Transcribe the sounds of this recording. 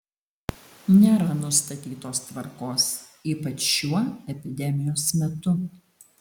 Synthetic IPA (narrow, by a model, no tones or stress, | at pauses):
nʲeːɾɐnʊst̪ɐt̪ʲiːt̪oːst̪ʋɐɾkoːs | iːpɐt͡ʃjuɔɛpʲɪd̪ʲɛmʲɪjoːsmʲɛt̪ʊ